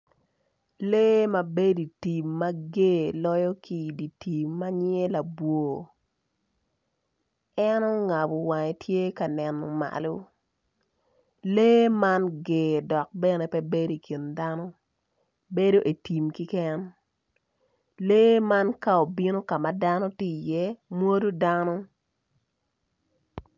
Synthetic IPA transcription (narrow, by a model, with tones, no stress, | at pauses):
leː˦ma˨be˦di˨ti˨mːa˦ɡeː˦lɔ˦jɔ˦ki˨di˨ti˨mːa˦ɲe˦la˨bwo˨ | ɛ˦nɔ˦ŋa˨bo˨wa˨ŋe˨tʰje˦ka˨nɛ˨no˨ma̰˨lo˦ | leː˦ma˦nɡe˨dɔ˨k̚bɛ˦ne˨pɛ˦be˦do˦i˨ki˨nda˦nɔ˦ | be˦do˦ʔe˨ti˨mki˦kɛ˦n | leː˦ma˦nka˦o˨bi˦no˦ka˨ma˨da˦no˦ti˦˨jɛ˦mwo˦do˦da˦nɔ˦